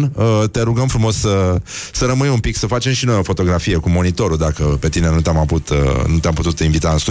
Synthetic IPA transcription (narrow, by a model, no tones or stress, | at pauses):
nət̪e̞ɾuɡəmfɾumo̞ssə | səɾəmɨjumpiksəfat͡ʃe̞mʃino̞jo̞fo̞t̪o̞ɡɾafije̞kumo̞nit̪o̞ɾud̪akəpe̞t̪ine̞nut̪eamavut̪nut̪eamput̪ut̪iɱvit̪aɨnst̪u